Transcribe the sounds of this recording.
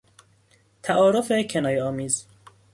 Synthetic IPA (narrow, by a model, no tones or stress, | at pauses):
t̪ʰæʔɒːɾofecʰenɒːjeɒːmiːz